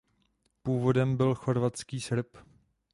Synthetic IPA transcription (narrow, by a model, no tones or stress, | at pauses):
puːvo̞dɛmbɪlxo̞ɾvat͡skiːsɾɪp